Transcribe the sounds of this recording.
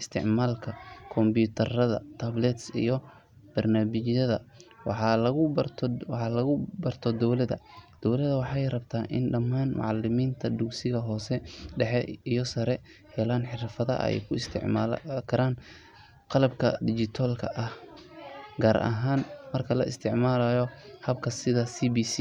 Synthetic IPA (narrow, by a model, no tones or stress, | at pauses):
ɪst̪ʰɪ̰ʕmaːlkʰɐkʰɔmbuːt̪ʰɐrɐðɐ̰t̪ʰablɛt̪sḭjɞ | b̥ɐrnaːmɪt͡ʃjɐðɐwɑħɑlɐɣʊbt̪ʰwɑħɑlɐɣʊbɐrt̪ʰɔd̪ɔwlɐðɐ̰d̪̥ɔwlɐðɐwɑħɑjrɐbt̪ʰaːʔɪ̰nɖɐmːaːnmʔɑ̰ʕɑlɪmiːnt̪ʰɐd̪ʊksɪɣɐɦɔːsɛɖɛħɛijɔsɐɾɛ | hɛlaːnħɪɾfɐðɐ̰ʔɛ̰jkʰʊɪst̪ʰɪ̰ʕmaːlkʰɐɾaːn | qɑlɐbkʰɐd̪ɪt͡ʃɪt̪ʰalkʰɐʔɐh | ɡaːɾʔɐ̰ɦaːnmɐrkʰɐlɐɪ̰st̪ʰɪʕmaːlɐjɔhɐbkʰɐsɪðɐsiːbiːsi